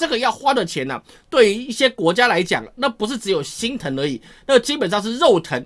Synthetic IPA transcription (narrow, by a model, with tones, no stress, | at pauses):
ʈ͡ʂə˥˩ɡə˨˩jɑ˥˨ʊxwa˦˥d̪ə˨t͡ɕʰjɛ˨˦nɐ̰˨ | t̪we˥˩ɪy˧˥i˥˩ɕjɛ˦˥kwɔ˧˥t͡ɕja˥la˧˥ɪt͡ɕja̰˨˩ŋna˥˧˩pu˧˥ʂ̬ɻ̩˥˩ʈ͡ʂɻ̩˧˦jo˨˩ʊɕi˦nt̪ʰə˧˥ŋə˧˥i˨˩ | na˥˩t͡ɕi˥pə˨˩nʂ̬ɑ˥˧ŋʂ̬ɻ̩˥˧ɻo˥˨˩ʊt̪ʰə˧˥˦ŋ